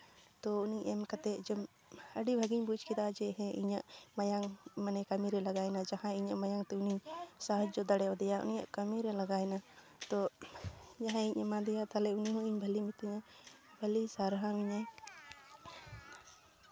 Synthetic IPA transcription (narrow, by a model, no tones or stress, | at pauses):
t̪ɔuniʔɛmkat̪ɛd͡ʒɛm | əɖibʱəɡiɲbud͡ʒkid̪ad͡ʒɛɦɛ̃ʔḭɲaʔmajaŋmanɛkamiɾɛlaɡajnad͡ʒahãiɲaʔmajaŋt̪ɛuniɲsaɦəd͡ʒd͡ʒɔd̪aɽɛad̪ɛjaʔṵnija̰ʔkamiɾɛlaɡaɛna | t̪ɔ | d͡ʒaɦãiɲamãd̪ɛjat̪alɛuniɦɔ̃iɲbʱəlimit̪iɲa | bʱəlisaɾɦamiɲa